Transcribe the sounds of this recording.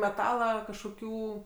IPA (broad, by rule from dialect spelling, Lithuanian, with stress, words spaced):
mʲɛˈtɑːlˠɐ kɐʃkoːˈkʲuː